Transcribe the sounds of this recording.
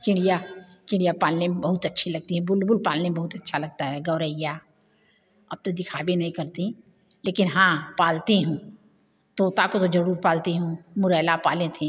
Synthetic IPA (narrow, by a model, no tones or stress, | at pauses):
kɪ̃ɽija | kɪ̃ɽ̃ijapaːlnẽebɐɦʊt̪ɐtːʃʰilɐɡ̚t̪iɦɛ̃bʊlbʊlpaːlnebɐɦʊt̪ɐtːʃʰalɐɡ̚t̪aɦɛɡɐːɾəɪja | ɐb̚t̪od̪ɪkʰaːbenɐɦĩkɐɾt̪i | leːkɪnɦãːpaːlt̪eɦũː | t̪oːt̪akot̪od͡ʒɐɾuːɾpaːlt̪eɦũːmʊɾɛːlapaːlẽt̪ʰẽ